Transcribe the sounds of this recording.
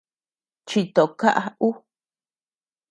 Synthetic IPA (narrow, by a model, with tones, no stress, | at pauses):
t͡ʃi˧t̪o˨ka˦ʔa˧u˦